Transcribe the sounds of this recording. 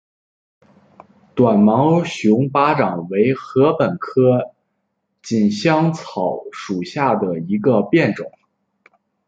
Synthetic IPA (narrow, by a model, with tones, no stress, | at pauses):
t̪wa˨˩nmɑ˧˥ʊɕʊ˧˥ŋpa˥ʈ͡ʂɑ˨˩ŋwe˧˥ɪxɤ˧˥pə˨˩nkʰɤ˥ | t͡ɕi˨˩nɕjɑ˥ŋt͡sʰɑ˨˧˩ʊʂu˨˩ɕja˥˩d̪ə˩i˧˥ɡə˧pjɛ˥˩nʈ͡ʂʊ˨˩˦ŋ